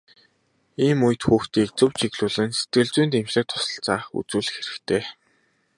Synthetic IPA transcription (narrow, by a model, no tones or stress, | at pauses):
iːmuj̆t̪xuːxt̪iːk̚t͡sɵwt͡ɕʰiɣɮuːɮɘ̆nse̥t̪ɡɘ̆ɮt͡suːnt̪emt͡ɕɘ̆k̚t̪ʰɔ̥sə̥̆ɬt͡saːṵt͡suːɮɘ̆xeɾɘ̆kt̪ʰeː